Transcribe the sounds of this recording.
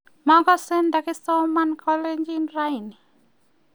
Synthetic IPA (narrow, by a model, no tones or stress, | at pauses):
mɔɡɔsendakɪsomankʰɔleɲd͡ʒinɾajni